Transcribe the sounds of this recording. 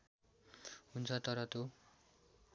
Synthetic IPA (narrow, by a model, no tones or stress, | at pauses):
ɦunt͡sʰʌt̪ʌɾʌt̪o